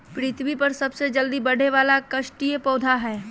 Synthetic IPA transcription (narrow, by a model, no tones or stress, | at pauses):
pɾɪt̪ʰbipɐɾsɐbsed͡ʒɐld̪ibɐɽ̤ʱeʋaːlakɐʃʈijəpɔːd̪ʱaɦɛː